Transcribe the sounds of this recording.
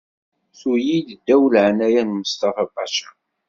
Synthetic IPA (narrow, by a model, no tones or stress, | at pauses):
θujid̪əd̪ːæwəlʕanæjænməst̪ɑfɑbɑʃḁ